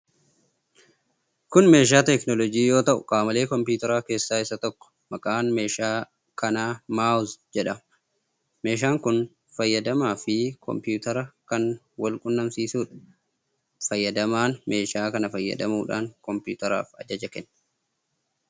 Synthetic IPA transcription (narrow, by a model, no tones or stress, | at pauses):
kʊnme̞ːʃ̬aːt̪ɛknɔlɔɡiːjo̞ːt̪ɐʔʊkʼaːmɐle̞ːkɔmpuːt̪ɐɾaːke̞ːsːaːɪsːɐt̪ɔkːɔ̥ | mɐkʼaːnme̞ːʃaː | kɐnaːmaːʊzd͡ʒɛᶑɐ | me̞ːʃ̬aːŋkʊn | fɐjːɐd̪ɐmaːfɪkʰɔ̰mpjuːt̪ɐɾɐkɐn | wɐlkʼʊnːɐmsiːsuːᶑɐ̥ | fɐjːɐd̪ɐmaːnme̞ːʃaːkɐnɐfɐjːɐ̰d̪ɐmuːᶑa̰ːŋkɔmpṵːt̪ɐɾa̰ːfɐ̰d͡ʒɐd͡ʒɐkɛnː